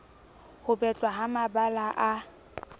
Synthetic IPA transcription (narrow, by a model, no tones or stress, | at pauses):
hʊbɛt͡ɬʼwaɦamabalaʔa